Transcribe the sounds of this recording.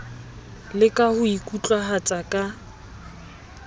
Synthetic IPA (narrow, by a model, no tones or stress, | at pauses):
lɪkʼahʊikʼut͡ɬʼwahat͡sʼakʼa